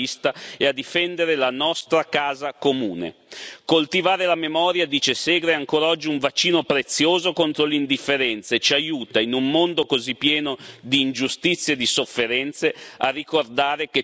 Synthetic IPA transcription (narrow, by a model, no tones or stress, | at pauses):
ist̪aead̪ifɛnd̪eɾelanɔst̪ɾakaːzakomuːnḛkolt̪ivaːɾelamemɔːɾjad̪iːt͡ʃesɛːɡɾeaŋkoːɾaɔd͡ʒːiuɱvat͡ʃːiːnopɾet̪sːjoːzokont̪ɾoleind̪ifːeɾɛnt̪saet͡ʃiajuːt̪ainummond̪okozipːjɛːnod̪iːnd͡ʒust̪it̪sːjed̪isofːeɾɛnt̪searːikord̪aːɾeke